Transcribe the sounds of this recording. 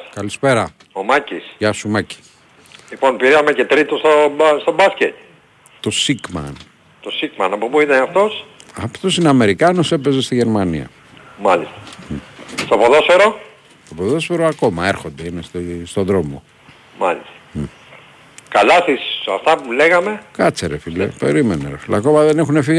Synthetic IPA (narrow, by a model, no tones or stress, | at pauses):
kɐlispe̞ɾɐ | omɐcisʝɐsumɐci̥ | lipo̞npiɾiɐmece̞t̪ɾit̪ost̪obst̪o̞bɐscet̪ | t̪o̞sikmɐ̰n | t̪osikmɐnɐpo̞puit̪ɐnɐft̪o̞sɐft̪o̞sineɐme̞ɾikɐnose̞pe̞ze̞st̪iʝe̞ɾmanḭɐ̰ | mɐlist̪ɐ̥ | st̪opoðosfeɾo̞ | t̪opoðo̞sfe̞ɾoɐko̞mɐe̞ɾxo̞nd̪einest̪ist̪o̞ðɾo̞mo̞̰ | mɐlist̪ɐ̥ | kɐlɐst̪isɐft̪ɐpuleɣɐme̞kɐt͡seɾefilepe̞ɾimenḛɾɐ̰filɐ̰ko̞mɐðe̞nexune̞fiɣ